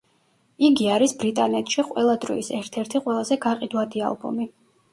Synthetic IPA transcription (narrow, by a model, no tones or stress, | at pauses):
iɡiaɾisbɾit̪ʼanɛt̪ʰʃiqʼwɛlˠad̪ɾɔ̰isɛɾt̪ʰɛɾt̪ʰiqʼwɛlˠazɛɡaqʼid̪wad̪ia̰lˠbɔ̰mi